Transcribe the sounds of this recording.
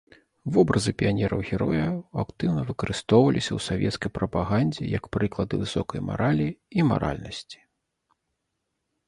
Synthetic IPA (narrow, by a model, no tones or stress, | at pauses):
vɔbɾɐzɨpʲijanʲɛɾɐwɣʲɛɾɔjɐakt̪ɨwnɐvɨkɐɾʔɨst̪ɔwvɐlʲisʲɐwsavʲɛ̰t̪skɐjpɾɐpaɣanʲd͡zʲɛ̰jɐkpɾɨklˠɐd̪ɨvɨsɔkɐjma̰ɾalʲiima̰ɾʔa̰lʲnɐsʲt͡sʲi̥